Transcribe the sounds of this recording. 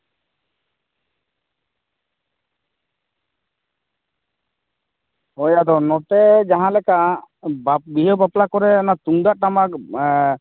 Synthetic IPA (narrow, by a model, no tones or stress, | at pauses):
ɔjad̪ɔnɔʈɛd͡ʒaɦãlɛkaʔbabiɦɔbaplakɔɾɛanat̪uŋd̪aʔʈamak